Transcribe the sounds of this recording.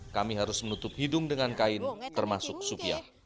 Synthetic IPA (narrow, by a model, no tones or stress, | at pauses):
kamiɦaɾʊsmənut̪ʊp̚hidʊŋdəŋankaɪnt̪ərmasʊk̚supia̰h